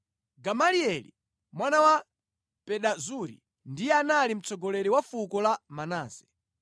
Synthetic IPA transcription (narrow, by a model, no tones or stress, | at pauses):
ɡamaliɛlḭ | mwanawa | pɛɗazuɾḭ | ndijɛanalim̩t͡sɔɡɔlɛɾiwafukɔlamanaːzɛ